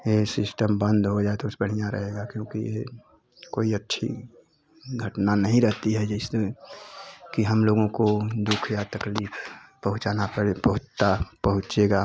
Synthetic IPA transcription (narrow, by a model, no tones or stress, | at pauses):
jesɪsʈəmbə̃nd̪ʱɦod͡ʒaet̪oʊsbəɽ̤ijaɾə̰ɦeɡakjõːkḭje | koːiətːʃʰḭ | ɡʱəʈnanəɦĩɾəɦt̪iɦɛd͡ʒɛɪse | kiɦəmloːɡõkod̪ukʰjat̪əkliːpʰpəɦʊt͡ʃanapəɽepəɦʊt͡ʃt̪apəɦʊ̃t͡ʃeɡa